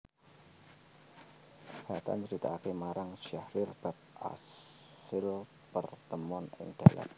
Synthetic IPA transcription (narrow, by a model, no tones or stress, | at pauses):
hat̪a̰nt͡ʃəɾit̪akemaɾaŋʃahɾɪrb̥at̪̚ʔa̰sɪl | pərt̪əmɔnɪ̰ŋd̥ala̰t̪̚